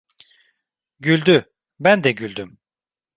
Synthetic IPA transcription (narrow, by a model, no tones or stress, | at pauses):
ɟylʲd̪y | bænd̪ɛɟylʲd̪ym